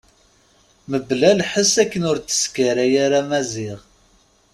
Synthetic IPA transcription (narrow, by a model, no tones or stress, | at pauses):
məblælħəsækːənʊɾt͡sːə̥skaɾæjaɾamæzɪʁ